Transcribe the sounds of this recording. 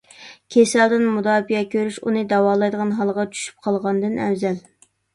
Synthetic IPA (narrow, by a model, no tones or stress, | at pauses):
kʲʰesɛld̪ɪnmud̪ɑːbijɛkʲʰøɾyʃṵnɨd̪ɑwɑːlˠɑjd̪əʁɑnɦɑlˠʁɑt͡ʃʰy̥ʃy̥p̚qʰɑlˠʁɑnd̪ɨnɛ̰wzɛl